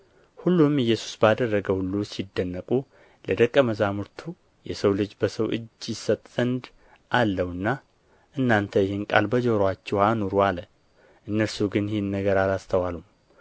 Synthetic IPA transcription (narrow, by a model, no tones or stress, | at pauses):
hulːumɨjːɛsu̥sbəad̪ərːəɡəhulːusid̪ːənːəkʼu | ləd̪əkʼːəməzamɨɾt̪ʰu | jɛsəwlɨd͡ʒbəsəwʔɨ̰d͡ʒjɪsət̪ʼz̥ənd̪ | ʔalːəwɨnːa | ʔɨnːant̪ʰəjɪhɪnkʼa̰lbəd͡ʒoɾwat͡ʃːɛhanuɾualə | ʔɨnːəɾsuɡɨnjɪhenːəɡəɾalast̪ʰəwalum